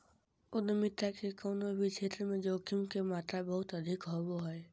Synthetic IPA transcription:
ʊd̪əmɪt̪ːakekəʊnobʱit͡ʃʰeːt̪ɾəmẽd͡ʒoːkimkemaːt̪ɾabəɦʊt̪əd̪ʱikɦoboɦɛe

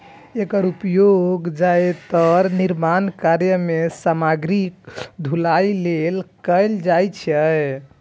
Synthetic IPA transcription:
ekəɾupjoɡd͡ʒaet̪ɔɾniɾmankaɾjəmesamaɡɾik̚d̪ʱulajlelkəjld͡ʒajt͡ʃʰəj

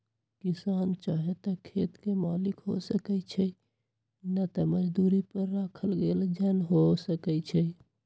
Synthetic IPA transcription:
kisant͡ʃaɦet̪ɔkʰet̪kemalikɦo̰səkɛt͡ʃʰɛ | nət̪əməd͡ʒd̪uɾipəɾːakʰəlɡeld͡ʒənɦosəkɛt͡ʃʰɛ

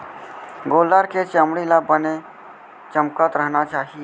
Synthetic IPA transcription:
ɡoːlaɾket͡ʃəmɽilaːbəne | t͡ʃəmkət̪ɾəɦnat͡ʃaːɦije

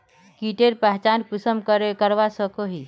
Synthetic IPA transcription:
kiʈeɾpɛɦt͡ʃankusəmkɾkəɾʋasəkoɦi

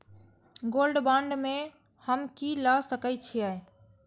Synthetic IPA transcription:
ɡolɖbãɳɖme | həmkiləsəkət͡ʃʰiɛj

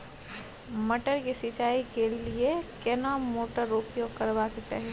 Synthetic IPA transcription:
məʈəɾkesit͡ʃaikeliekenamoʈəɾopjoɡkəɾbaket͡ʃa̰ɦi

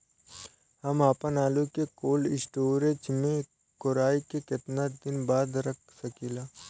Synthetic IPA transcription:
hɐmaːpənaːlukekoːlɪsʈoːɾet͡ʃmẽ | koɾaːikekɪt̪nad̪ɪnbaːd̪ɾɐk̚ʰsɐkiːlaː

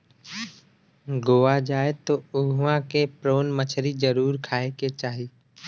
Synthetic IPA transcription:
ɡoːʋad͡ʒaːet̪oːʊɦãkepɾoːnmət͡ʃʰɾizəɾuːɾkʰaːeket͡ʃaːɦiː

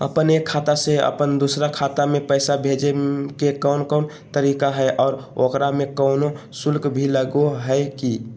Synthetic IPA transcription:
ə̰pənekʰːat̪aseə̰pənd̪usɾakʰat̪amepəɪsabʱed͡ʒekekəʊnkɔn | t̪əɾikaɦəjʔɔːɾokɾamekəʊno | sulkbʱiləɡoɦəɪki

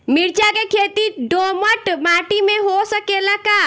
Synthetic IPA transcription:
miɾt͡ʃakekʰeːt̪iɖoməʈmaʈimẽɦosəkelaka

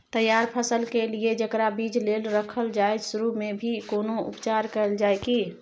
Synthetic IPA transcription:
t̪əjaɾpʰəsəlkelied͡ʒəkɾabid͡ʒlelɾəkʰəld͡ʒaed͡ʒsuɾumebʱikoːnoṵpt͡ʃaɾkəld͡ʒajki

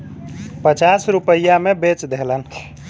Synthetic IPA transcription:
pət͡ʃasɾupəjamebet͡ʃd̪elən

